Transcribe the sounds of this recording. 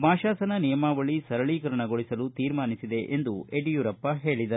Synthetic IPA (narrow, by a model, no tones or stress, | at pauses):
maːʃaːsɐnɐnijɐmaːʋɐɭisɐɾɐɭiːkɐɾɐɳɐɡoɭisɐlut̪iːɾmaːnisid̪e̞ʔʔend̪ueɖijuːɾɐpːɐɦe̞ːɭid̪ɐɾu